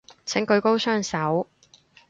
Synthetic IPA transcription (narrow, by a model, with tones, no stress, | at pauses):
t͡sʰɪ˨˥ŋkɵ˨˧ɥko˥wsœː˥ŋsɐ˨˥w